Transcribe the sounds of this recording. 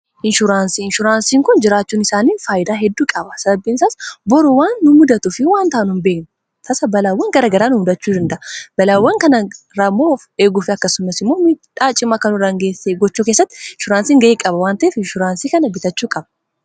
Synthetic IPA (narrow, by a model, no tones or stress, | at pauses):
ʔɪnʃʊɾaːnsiɪnʃʊɾaːnsiːŋkʊnd͡ʒɪɾaːt͡ʃːuːnɪsaːniːnfaːjɪd̪aːɦɛd̪ːuːkʼɐbɐsɐbɐbːiːnsaːsbɔɾʊwaːnːʊmʊd̪ɐt̪ʊfɪwaːnt̪aːnʊnbe̞ːk̚nʊ | t̪ʰɐsɐbɐlaːwːɐŋɡɐɾɐɡɐɾaːnʊmʊd̪ɐt͡ʃːuːd̪ɐnd̪ɐʔɐbɐlaːwːɐŋkɐnɐ | ɾɐmoːfeːɡʊfɪɐkːɐsʊmːɐsɪmːo̞ːmiːᶑaːt͡ʃʼɪmɐkɐnʊɾɐŋɡeːsːeɡɔt͡ʃːuːke̞ːsːɐt̪ːɪɪnʃʊɾaːnsiːŋɡɐeːkʼɐbɐwaːnt̪ɐʔefɪnʃʊɾaːnsiːkɐnɐbɪt̪ɐt͡ʃːuːkʼɐbɐ